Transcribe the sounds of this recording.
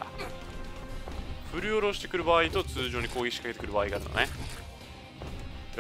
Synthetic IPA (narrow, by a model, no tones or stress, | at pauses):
ɸɯ̟ɾɯ̟oɾo̞ɕi̥t̪e̞kɯ̟ɾɯ̟baːit̪o̞t͡sɨːʑo̞ːɲ̟iko̞ːiɕi̥kakeekɯɾɯ̟baːiɡaːɾɯ̰no̰ne